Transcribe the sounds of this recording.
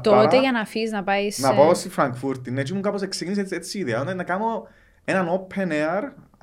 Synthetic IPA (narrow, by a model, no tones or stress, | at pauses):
t̪oɾɐeʝɐnɐfiznɐpɐjsnɐpaost̪ifɾɐŋkfuɾt̪inːet͡ʃimukaposekscinis̬eet̪siːðeɐnɐnɐkano | enɐnopʰeneɐɾ